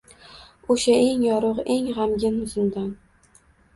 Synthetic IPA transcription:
oʃae̞ŋjɒɾʊqe̞ŋʁamɡʲɪnʊzɪnd̪an

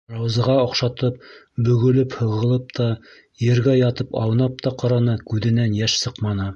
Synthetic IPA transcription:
rɑwzɤ̆ʁɑŏqʃɑt̪ɤp̚ | bɵ̆ɡɵ̆lɘphɤ̆ʁɤ̆lˠɤp̚t̪ʰɑ | jɘ̆ɾɡæjɑt̪ɤpɑ̰wnɑp̚t̪ɑqɑɾɑnɤkʉðɘ̆nænjæʃsɤqmɑnɤ

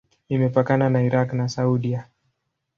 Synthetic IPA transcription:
imɛpakananaiɾaknasauɗia

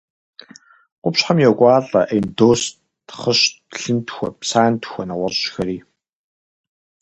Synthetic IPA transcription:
qʷʊpɕħamjɛkʷʼɑːɮʼɐ̰ʔejndoːs | tχəɕ | ɬɨntʰxʷɔ̰psaːntʰxʷɔnɐʁʷɐrɕxɐɾiː

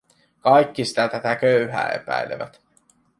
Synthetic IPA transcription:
kɑjkːisi̥t̪æt̪æt̪ækøyhæ̰ːe̞̰pæ̰jleʋæt̪

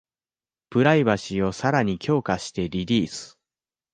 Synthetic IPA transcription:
pɯ̟ɾaibaɕio̞saɾaɲ̟ikʲʰo̞ːkaɕi̥t̪e̞ɾʲiɾʲiːsɨ̥

